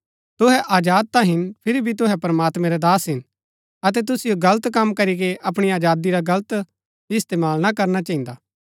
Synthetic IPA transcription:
t̪ʊɦɛʔaːd͡ʒaːd̪̚t̪ãɦɪnpʰɪɾibʱit̪̬ʊɦɛpɐɾɐmaːt̪mɛ̃ɾɛd̪aːsɦɪn | ɐt̪̬ɛt̪̬ʊsɪjoɡɐlət̪kɐmkɐɾikeʔɐpɽ̃iaːd͡ʒaːd̪iɾaɡɐlt̪ | ɪst̪eːmaːlnakɐɾnat͡ʃɐɪ̃nd̪aː

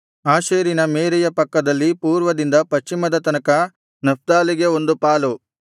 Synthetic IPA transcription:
aːʃeːɾinɐmeːɾɛjɐpɐkːɐd̪ɐlːipuːɾʋɐd̪ind̪ɐpɐʃt͡ʃːimɐd̪ɐt̪ɐnɐkɐ | nɐp̚d̪aːliɡe̞o̞nd̪upaːlu

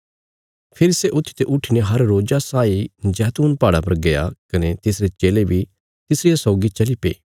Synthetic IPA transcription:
pʰɪɾiseʔʊt̪ʰːi̥t̪eʔʊʈʰineɦɐɾːoːd͡ʒasaːid͡ʒɛːt̪uːnpaːɽapɐɾɡɐja̰kɐnet̪ɪsɾet͡ʃeːlebʱi | t̪ɪsɾɪjasɔːɡit͡ʃɐlipḛː

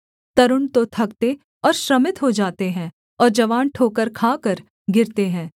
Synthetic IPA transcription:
t̪ɐɾʊɳt̪ot̪ʰɐkt̪e | ɔːɾʃɾɐmɪt̪ɦod͡ʒaːt̪eɦɛ̃ː | ɔːɾd͡ʒɐʋaːnʈʰoːkəɾkʰaːkəɾ | ɡɪɾt̪eɦɛ̃ː

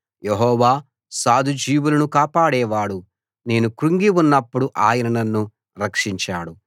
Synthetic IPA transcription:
jeɦɔːʋaː | saːd̪ʱud͡ʒiːʋulɐnukaːpaːɽɛːʋaːɽu | ne̞ːnukɾuŋɡiunːɐpːuɽuʔaːjɐnɐnɐnːu | ɾɐkʂiɲt͡ʃaːɽu

